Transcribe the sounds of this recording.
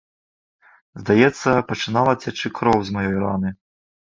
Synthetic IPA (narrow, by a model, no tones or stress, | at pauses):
zd̪ajɛt̪sːɐpɐt͡ʂɨnalˠɐt͡sʲat͡ʂɨkɾɔwzmajɔjɾanɨ